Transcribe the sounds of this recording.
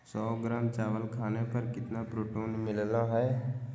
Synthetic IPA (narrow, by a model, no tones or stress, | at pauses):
sɔːɡɾaːmt͡ʃaːʋəlkʰaːnepɐɾkɪt̪napɾoːʈoːnmɪlnaɦɛː